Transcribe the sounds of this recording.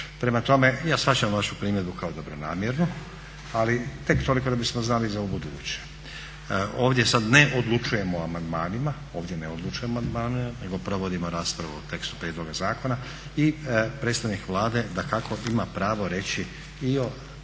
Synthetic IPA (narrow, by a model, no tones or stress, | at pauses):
pɾe̞mat̪o̞me̞jaːsfat͡ɕamʋaʃupɾiːmjed̪bukaod̪o̞bɾo̞na̰ːmje̞ɾnu | alit̪e̞kt̪o̞liko̞d̪abismoznalizaubud̪uːt͡ɕe̥ | oːʋd̪ʲje̞sad̪ne̞ʔod̪lˠut͡ʃuje̞moamand̪maːnima | oːʋdʲje̞neod̪lˠut͡ʃujemoand̪maːnimane̞ɡo̞pɾo̞ʋo̞d̪imo̞ɾaːspɾaʋuot̪e̞kst̪u̥pɾed̪lˠo̞ɡazaːko̞na | ipɾe̞ːt̪st̪aʋnikʋlˠaːd̪e̞d̪akakʰo̞imapɾaːʋo̞ɾe̞t͡ɕi | io̞